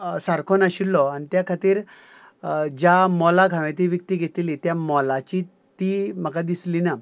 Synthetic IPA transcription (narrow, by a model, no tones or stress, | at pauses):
saɾkʰonaɕilːɔañit̪jakʰat̪iːɾ | d͡ʑamɔlakʰãʋẽt̪iʋək̚t̪iɡʱet̪ilit̪jamɔlat͡ɕi | t̪im̤əkad̪islina